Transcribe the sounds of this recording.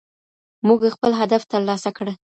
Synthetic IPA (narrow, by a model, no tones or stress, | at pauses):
muɡxpəlɦad̪aft̪əɾlɑsakɽə